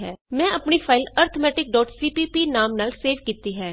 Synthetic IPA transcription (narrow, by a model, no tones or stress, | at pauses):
ɦɛːmɛ̃ːɐpnifʰaːɪləːɾt̪ʰmɛːʈɪk̚ɖɔːʈsiːpipinaːmnɐlseːɾʋkiːt̪iɦɛː